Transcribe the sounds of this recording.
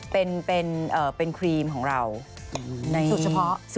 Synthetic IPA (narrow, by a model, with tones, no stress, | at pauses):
pe˧npe˧nʔɤː˨˩pe˧nkʰɾiː˧mkʰɔː˩˦ŋɾa˧w | na˧jsu˨˩t͡ɕʰa˧pʰɔ˦˥ʔsu˨˩